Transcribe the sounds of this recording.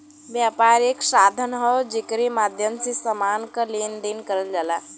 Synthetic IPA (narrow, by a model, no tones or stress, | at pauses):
ʋjapaɾeksad̪ʱənɦəwd͡ʒekɾimad̪ʱjəmsisəmankəlend̪enkəɾəld͡ʒala